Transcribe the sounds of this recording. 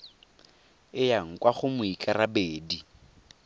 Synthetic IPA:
ɪjaŋ̩kwaχʊmʊikʼaɾabeːdi

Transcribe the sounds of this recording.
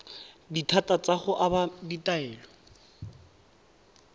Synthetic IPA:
ditʰatʼat͡sʼaχʊʔabaditʼaɛːlɔ

